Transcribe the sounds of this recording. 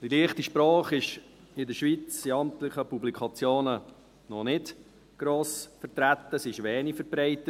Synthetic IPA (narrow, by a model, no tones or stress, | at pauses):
d̥iliəχtiʃpɾɑːχɪʃ | ɪdəɾʃʋit͡siɑmt̪lɪχəpublikʰɑt͡sjoːnə | nɔnɪt | ɡ̥ɾoːsfəɾt̪ɾæt̪ːəsɪʃʋɛːnifəɾbɾɛɪt̪ət